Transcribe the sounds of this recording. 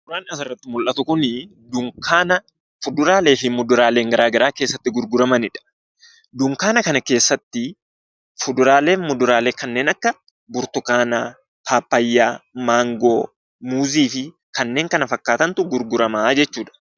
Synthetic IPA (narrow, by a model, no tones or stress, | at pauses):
ɡʊɾaːnaːsɪrːɐt̪ːɪmʊlʔɐt̪ʊkʊnɪ | d̪ʊŋkaːnɐ | fʊd̪ʊɾaːle̞ːfɪmʊd̪ʊɾaːleːŋɡɐɾaːɡɐɾaːke̞ːsːɐt̪ːɪɡʊɾɡʊɾɐmɐnɪᶑɐ̥ | d̪ʊŋkaːnɐkɐnɐke̞ːsːɐt̪ːɪ | fʊd̪ʊɾaːle̞ːnmʊd̪ʊɾaːle̞ːkɐnːe̞ːnɐkːɐ | bʊɾt̪ʊkaːnaː | t̪ʰaːpːɐjːaːmaːŋɡoː | muːziːfɪ | kɐnːe̞ːŋkɐnɐfɐkːaːt̪ɐnt̪ʊɡʊɾɡʊɾɐmaːd͡ʒɛt͡ʃːuːᶑɐ̥